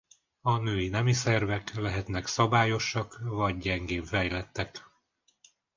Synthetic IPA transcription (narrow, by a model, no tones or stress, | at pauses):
ɒnøːinɛmisɛrvɛklɛɦɛt̪n̪ɛksɒbaːjo̞ʃɒkvɒɟɟɛŋɡeːɱfɛjlɛt̪ːɛk